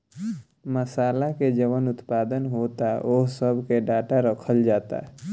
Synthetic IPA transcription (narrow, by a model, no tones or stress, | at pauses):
məsaːlaked͡ʒəʋənʊt̪paːd̪ənɦoːt̪aoɦsəbʱkeɖaːʈaɾəkʰəld͡ʒaːt̪a̰